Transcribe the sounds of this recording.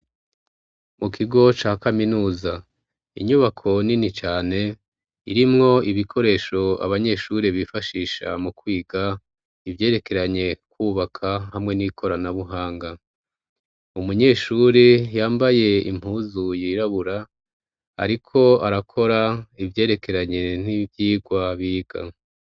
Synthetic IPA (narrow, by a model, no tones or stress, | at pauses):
mukʰiɡo̞t͡ʃaːkaminuːza | ḭɲuβakʰo̞ninit͡ʃaːne̞ | iɾimŋo̞iβikʰo̞ɾe̞ːʃo̞a̰βaɲe̞ʃuːɾeβifaʃiːʃa̰mukwiːɡa | ivje̞ːɾe̞ke̞ɾaɲe̞kwuːβakʰahamŋe̞nikʰo̞ɾanaβuɦaːŋɡa | umuɲe̞ːʃuɾejaːmbaje̞ḭm̥huːzujiɾaβuɾa | a̰ɾikʰo̞aɾakʰo̞ɾaivje̞ːɾe̞kʰe̞ɾaɲe̞n̥ivjiːɡwaβiːɡ̥a̰